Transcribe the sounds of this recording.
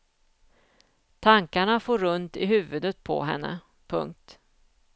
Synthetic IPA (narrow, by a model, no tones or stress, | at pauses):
t̪ʰaŋkaɳafoːɾɵnt̪ɪɦʉ̟ːvɵd̪ət̪̚pʰɔ̰ɦɛ̰nːə̰ | pʰɵ̰ŋk̚t̪